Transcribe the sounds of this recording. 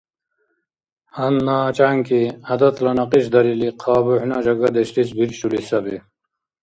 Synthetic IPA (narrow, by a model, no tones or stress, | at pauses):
hɐnːaːt͡ɕaŋkiɐd̪ɐt̪lɐnɐqiɕ̬d̪ɐɾiliqʰɑːbuhnad͡ʑɐɡɐd̪eɕʈisbiɾɕulisɐbi